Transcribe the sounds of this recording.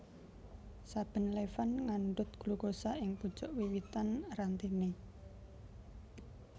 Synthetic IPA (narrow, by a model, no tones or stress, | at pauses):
sab̥ə̤nlefanŋaɳɖʊt̪̚ɡ̥luɡosaʔɪŋpud̥ʒ̥ɔʔwiwit̪anrant̪ine